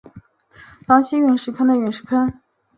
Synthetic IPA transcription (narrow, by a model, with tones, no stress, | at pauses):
fɑ˧˥ŋɕi˥ɥɛ˧˩nʂɻ̩˥˩kʰa˥nd̪ə˧ɥɛ˧˥nʂɻ̩˥˩kʰa˥n